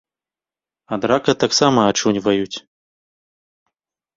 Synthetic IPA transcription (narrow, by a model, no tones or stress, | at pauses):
ad̪ɾakɐt̪aksamɐːt͡ʂunʲvɐjut͡sʲ